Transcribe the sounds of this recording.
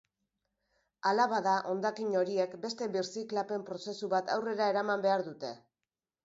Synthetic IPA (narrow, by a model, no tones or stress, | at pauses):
alaβaðaʔo̞nd̪akiɲo̞ɾie̞kbe̞st̪e̞βiɾsiklape̞mpɾo̞se̞suβat̪awre̞ɾae̞ɾamambe̞aɾðut̪e̞